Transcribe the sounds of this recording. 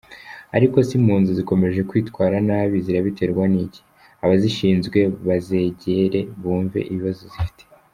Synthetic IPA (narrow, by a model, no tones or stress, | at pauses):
a̰ɾiko̞simuːnzuziko̞me̞ʒe̞kwiːtwaːɾanaβiziɾaβite̞ɾɡwaniɟi̥ | aβaziʃiːnzɡwe̞βaze̞ɟeɾe̞βuːɱve̞̰ʔiβiβazozifi̥tʰe̥